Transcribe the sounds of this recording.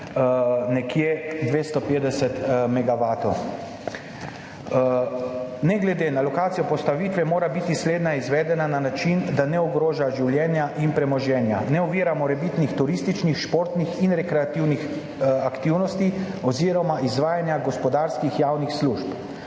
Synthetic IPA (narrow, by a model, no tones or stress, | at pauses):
nɛkjed̪ʋeːst̪ɔpeːd̪ɛsɛt̪mɛɡaʋaːt̪ɔw | nɛɡlɛd̪eːnalɔkaːt̪ijɔpɔst̪aʋiːt̪ʋɛmoːɾabit̪isleːd̪naizʋɛːd̪ɛnananat͡ʃind̪anɛɔɡɾoːʒaʒiwljɛːnjaʔinpɾɛmɔʒɛːnja̰nɛɔʋiɾamɔɾɛbit̪nixt̪uɾist̪it͡ʃnixʃpoːɾt̪nixinɾɛkɾɛat̪iwnix | akt̪iwnɔst̪i | ɔziːɾɔmaʔizʋaːjanjaɡɔspɔd̪aːɾskixjawnixsluʃp